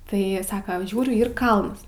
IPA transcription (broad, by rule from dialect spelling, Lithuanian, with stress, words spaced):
ˈtɐɪ ˈsɑːkɐ ˈʒʲuːrʲʊ ˈiːr ˈkɐlˠns